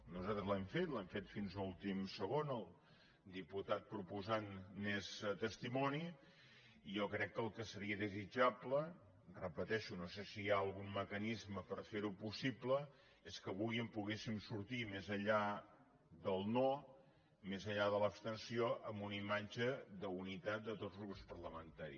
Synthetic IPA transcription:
nuzat̪ɾəzlɛmfet̪lɛmfet̪finznulˠt̪imsəɣ̞onəlˠ | d̪iput̪at̪̚pɾupuzanːezt̪əst̪imɔni | ijɔkɾɛkːəlˠkəsəɾiəðəzid͡ʒaplə | rəpət̪ɛʃunosesijaəlˠɣumːməkənizməpəɾfeɾupusiplə | eskəβujəmpuɣesimsuɾt̪imezəʎa | ðəlˠno | mezəʎaðələpst̪ənsioʔəmbunimad͡ʒəðəunit̪at̪̚d̪ət̪ozɣɾupspəɾləmənt̪aɾḭ

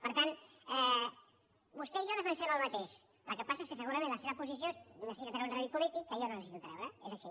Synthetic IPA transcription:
pəɾt̪an | ɛ | bust̪ɛiʒoðəfənsɛβəlˠmat̪eʃ | ə̰lˠkəpasaeskəsəɣuɾɐmẽnləseβəpusis̬joəsikət̪ɾaunraðipulit̪ikːəeʎanonəsit̪ut̪ɾɛβɾəezaʃi

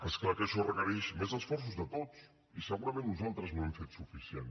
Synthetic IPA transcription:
əsklakəʃɔrəkəɾɛʃmezəsfɔɾs̬uzðət̪ot͡s | isəɣuɾəmẽnːuzalˠt̪ɾəzβuɛmfet̪sufisien

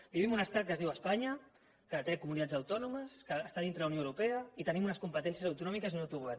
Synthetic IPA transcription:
biβimunəst̪at̪̚kəzðiwaspaɲə | kət̪ɾɛkumunit̪ad͡zzəwt̪ɔnuməskəːst̪aðint̪ɾəðəunjoəwɾupɛəit̪ənimunəskumpət̪ɛnsiəzɐwt̪unɔmikəzinowt̪uɣuβɛr

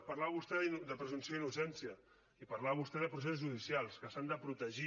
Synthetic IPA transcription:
pəɾlaβəβust̪ɛðinud̪əpɾəzunsioinusɛnsiə | ipəɾlaβəβust̪ɛðəpɾus̬esuzʒuðisjalˠskəsand̪əpɾut̪əʒi

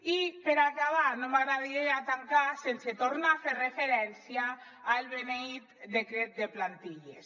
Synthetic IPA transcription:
ipeɾakaβanomaɣɾaðiɾeat̪aŋkasenset̪oɾnaferrefeɾɛnsjaː | lβenejt̪d̪ekɾet̪̚d̪eplant̪iʎḛs

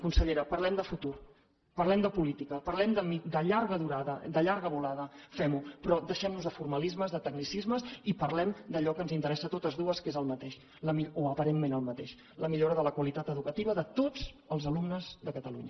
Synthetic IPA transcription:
kunsəʎeɾəpəɾlɛmd̪əfut̪ur | pərlɛmd̪əpulit̪ikəpəɾlɛmd̪əid̪əʎaɾɣəðuɾaðəd̪əʎaɾɣəβulaðəfɛmupɾɔd̪əʃɛmnuzðəfurməlizməzðət̪əɡ̚nisizməzipərlɛmd̪əʎɔkənzint̪əɾɛsət̪ot̪əzðuəskezəlˠmət̪eʃ | ləmioəpəɾenmenəlˠmət̪eʃ | ləmiʎoɾəðələkwəlit̪at̪əðukət̪iβəðət̪od͡z | əlˠzəlumnəzðəkət̪əluɲə

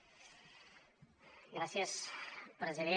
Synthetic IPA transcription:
ɡɾasjəspɾəziðe

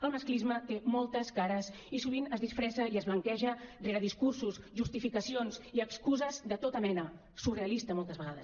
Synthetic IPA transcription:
əlˠməsklizmət̪emɔlˠt̪əskaɾəs | isuβ̞inəzðisfɾɛsəiəzβləŋkɛʒəreɾəðiskursusʒust̪ifikəsionsiəkskuzəzd̪ət̪ot̪əmɛnə | sureəlist̪əmɔlˠt̪əzβəɣaðəs

